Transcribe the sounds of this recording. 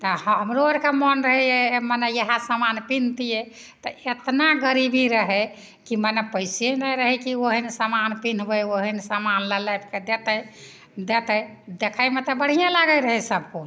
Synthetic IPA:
t̪ɔhəmɾoəɾkemənɾəɦɛjemənɛjəɦãsamanpin̤t̪ije | t̪ɔʔet̪naɡəɾibʱiɾəɦɛ | kimənɛpəjsjenajɾəɦɛkioɦinisamanpin̤bəjoɦinisamanləlajbked̪et̪əj | d̪et̪əjd̪ekʰajmet̪ɔbəɽ̤ijãlaɡəjɾəɦɛsəb̚ʱkol

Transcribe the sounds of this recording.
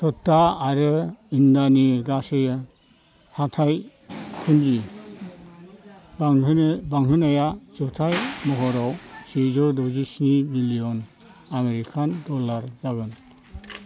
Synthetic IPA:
tɔtːaaɾɯindaniɡasejɯ | hatʰaj | kʰund͡ʒi | bbaŋɦɯnajazɔtʰajmɔɦɔɾɔwsizɔdɔzisnibilijɔn | ameɾikʰandɔlaɾzaɡɯn

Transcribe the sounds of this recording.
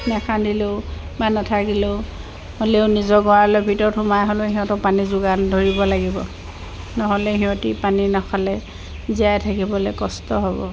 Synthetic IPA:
nɛkʰadileʊ | banɔtʰakilʊʊ | holeʊnizɔɡɔalɔjbʱitɔɹtʰumajɦɔloɦiɦɔ̃tɔpanizʊɡandʱoɹibɔlaɡibɔ̰ | nɔɦɔlɛɦiɦɔ̃tipaninɔkʰalɛ | ziajtʰakibɔlɛkɔstɔɦɔbɔ̰

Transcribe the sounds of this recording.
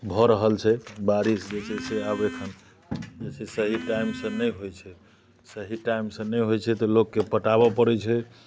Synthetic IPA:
bʱɔɾəɦəlt͡ʃʰɛbaɾisd͡ʒet͡ʃʰɛseabekʰən | d͡ʒet͡ʃʰesəɦiʈaimsə̃nəjɦojt͡ʃʰɛ | səɦiʈaimsə̃nəjɦojt͡ʃʰɛt̪ɔlokːepəʈabɔpəɾɛt͡ʃʰɛ

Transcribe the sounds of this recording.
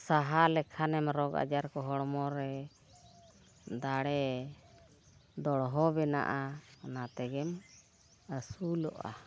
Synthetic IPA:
saɦalɛkʰanɛmɾɔɡa̰d͡ʒaɾkɔɦɔɽmɔɾɛ | d̪aɽɛ | d̪ɔɽɦɔbɛna̰ʔanat̪ɛɡɛm | əsulɔ̰ʔa̰

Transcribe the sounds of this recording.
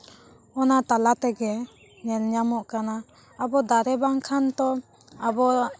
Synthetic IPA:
ɔnat̪alat̪ɛɡɛ | ɲɛlɲamɔʔkana | abɔd̪aɾɛbaŋkʰant̪ɔ | abɔ

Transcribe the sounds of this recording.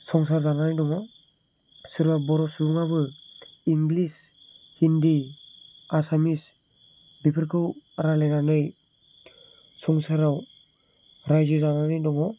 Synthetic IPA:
sɔŋsaɾzananɯjdɔŋɔ | sɯɾbabɔɾɔsubuŋabɯiŋɡlis | hindi | asamis | bipʰɯɾkʰɯwaɾalenanɯj | sɔŋsaɾaw | ɾajzɯzananɯjdɔŋɔ

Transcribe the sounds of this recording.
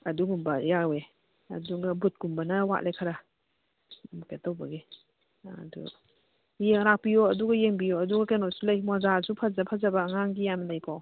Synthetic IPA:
aduɡumbajawe | ɐ̰duɡabut̚ɡumbanawa̰ʔlʔajkʰaɾa | mketɔwbaɡe | a̰dṵ | jeŋɾak̚pijɔɐduɡajeŋbijɔɐduɡakenɔsulajmazasupʰazapʰazabaŋaŋɡijanalajkʰɔw

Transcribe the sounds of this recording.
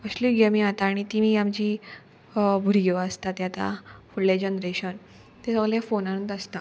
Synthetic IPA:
əɕliɡemiat̪aːɽ̃it̪imiamd͡ʑiː | bʱuɾiɡeʋəst̪at̪jat̪a̰fuɽled͡ʑenɾeɕən | t̪ẽsəɡɭljafonaɽunt̪əst̪a

